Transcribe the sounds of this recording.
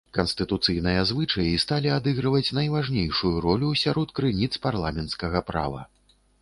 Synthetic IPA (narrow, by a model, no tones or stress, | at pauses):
kɐnst̪ɨt̪ut̪sɨjnɨjɐzvɨt͡ʂɐjist̪alʲiad̪ɨɣɾɐvɐt͡sʲnɐjvaʐnʲejʂujuɾɔlʲusʲaɾɔt̪kɾɨnʲit̪sparlˠamʲɛnt̪skɐɣɐpɾa̰vɐ̰